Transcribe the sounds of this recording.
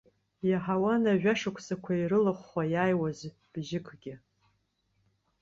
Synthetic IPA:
jaħawanaʒᶣʷaʂakʷʰʼsakʷʰairɨlɨχʷajaːjwaz | b̥ʒɪkʷʰɡʲɪ

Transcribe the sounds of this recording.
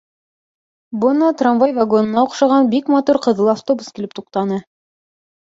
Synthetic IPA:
bɤnɑt̪ranvajvaɡo̞nɤ̆nɑuqʃɑʁɑnbikmat̪uɾqɤ̆ðlˠɤaft̪obuskilɘpt̪uqt̪ɑnɤ

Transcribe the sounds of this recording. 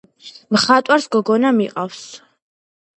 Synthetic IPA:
mχat̪ʼwaɾsɡɔɡɔnamiqʼafs

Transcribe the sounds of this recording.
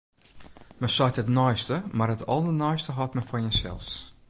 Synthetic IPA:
mɛsɔjtətnɔjstəmarətʰɔ̰lˠdənɔjstəɦɔtmɛfɔjənsɛ̰lˠs

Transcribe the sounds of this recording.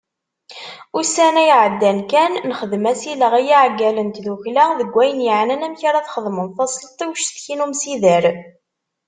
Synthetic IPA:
ʊsænæjʕəd̪ːænkænːəχəðmæsiləʁæjiʕɡːælənt̪ðuçlæðəɡʷːæjənjəʕnænæmçaɾæθχəðˤmənθɑsˤlt̪ˤːiwʃθçinumsiðəɾ

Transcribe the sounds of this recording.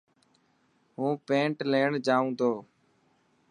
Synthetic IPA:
ɦũːpẽːɳʈleːɳd͡ʒaːũːt̪ʰoː

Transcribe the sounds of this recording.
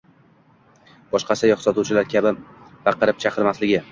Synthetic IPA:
b̥ɒʃqɑsɪjɒχsɒt̪uwt͡ʃʰɪlaɾkʲʰabɪb̥ɑqʰɨɾɪp̚t͡ʃʰaqɨɾmaslɪɡʲɪ

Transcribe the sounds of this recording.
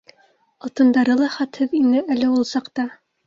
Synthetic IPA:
ɑt̪ɤ̆nd̪ɑɾɤlˠɑχæt̪hɘðinɘʔælɘulˠsɑqt̪ɑ

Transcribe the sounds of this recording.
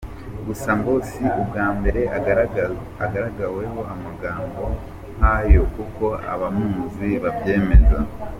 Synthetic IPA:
ɡusaŋɡo̞ːsiub̚ɡaːmbe̞ɾe̞ | aɡaɾaɡawe̞ɦo̞ʔamaɡaːmbo̞ | ŋ̥ajo̞kuko̞a̰βamuːnziβabje̞ːme̞za

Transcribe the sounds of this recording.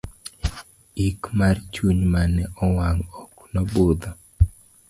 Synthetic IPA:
ikmart͡ʃuɲmanɛʔɔwaŋɔknɔbʊd̪ɔ

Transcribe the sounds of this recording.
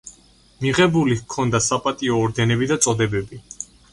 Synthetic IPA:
miʁɛbulikʰɔnd̪asapʼat̪ʼiɔːɾd̪ɛnɛbid̪at̪sʼɔd̪ɛbɛbi

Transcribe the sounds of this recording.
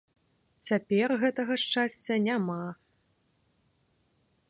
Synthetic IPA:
t͡sʲapʲɛrɣɛt̪ɐɣɐʂt͡ʂasʲt͡sʲːɐnʲama

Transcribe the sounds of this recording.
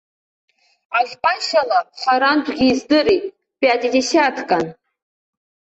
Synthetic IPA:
aɮʲpʼanʃalaχaɾandʷɡʲiːzdɨɾitʼ | b̥ʼiadidesatʰkʼan

